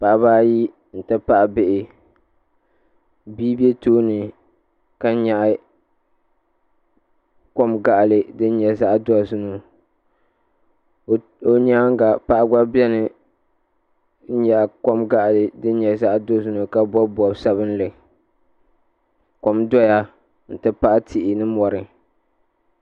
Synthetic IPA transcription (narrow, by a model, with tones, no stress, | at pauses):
pa˨ʔa˨baː˦ji˦ | n̩˨ta˦pa˦ʔa˨bɪ˨ʔɪ˨ | biː˦be˦toː˦nɨ˨ | ka˦ɲa˨ʔ | ko˦mɡa˨ʔlɨ˨dɨ˦n˦ɲɛ˨za˦ʔdɔ˦zʊ˦no˨ | o˨ɲaː˦ŋ˦ɡa˨pa˦ʔa˦ɡa˦bɛ˦nɨ˨˦ | ɲa˨ʔkɔ˦mɡa˦ʔlɨ˨dɨ˦n˦ɲɛ˨za˦ʔdo˦zu˦nu˨ka˦bɔ˦bɔ˨bsa˦bɨ˦n̩˦lɨ˨ | ko˨mdɔ˦ja˦ | n̩˨tɨ˦pa˦ʔa˦tʰɪ˨ʔɪ˨nɨ˦mɔ˨ɾɨ˨